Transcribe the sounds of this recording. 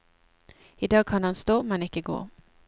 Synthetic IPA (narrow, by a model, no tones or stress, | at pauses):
ɪd̪ɑːɡ̚kʰanhanst̪oːmɛnɪkːəɡo̰ː